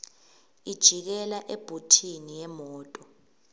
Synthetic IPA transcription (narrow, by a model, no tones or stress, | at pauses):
id̥ʒ̥ʱik̬ɛlaʔeb̥ʱutʰinijɛmɔːtʼɔ